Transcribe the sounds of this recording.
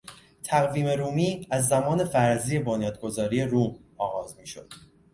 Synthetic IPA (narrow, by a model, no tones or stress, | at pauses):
t̪ʰæɣviːme̞ɾuːmiːæzːæmɒːne̞fæɾzije̞bonjɒːd̪̚ɡo̞zɒːɾiːe̞ɾuːmɒːɣɒːzmiːʃo̰d̪̥